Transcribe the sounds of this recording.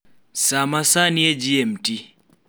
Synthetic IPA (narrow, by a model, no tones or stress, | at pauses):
samasaniɛd͡ʒiɛm̩ti